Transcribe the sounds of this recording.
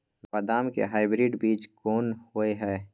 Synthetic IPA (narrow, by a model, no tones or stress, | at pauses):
pɐd̪aːmkḛɦaːɪbɾɪːɖbiːt͡ʃkoːnhʊeɦɛː